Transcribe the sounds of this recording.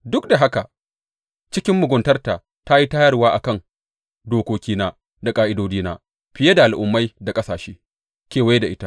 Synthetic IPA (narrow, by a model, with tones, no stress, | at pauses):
dʊ˦k̚da˨ɦa˦ka˨ | t͡ʃɪ˦kʲɪ˦mːʊ˨ɡʷʊ˨ntɐ˦rta˨ | ta˦ji˦taː˦jɐ˦rwaː˦ʔa˨kɐ˦˨ŋ | doː˨kʷoː˦kʲiː˦naː˦ | da˨kʼaː˦ʔɪ˦doː˦d͡ʒiː˦na̰ː˦ | ɸɪ˨je˦da˨ʔa˨lʔʊ˨mːa˦jda˨kʼɐ˦saː˨ʃeː˦ | kʲeː˨wa˦jda˨ʔɪ˦ta˦